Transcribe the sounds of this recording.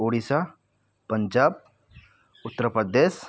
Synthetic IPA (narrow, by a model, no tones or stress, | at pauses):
oɽisa | pəɲd͡ʑab̚ | ut̪ːəɾəpəd̪es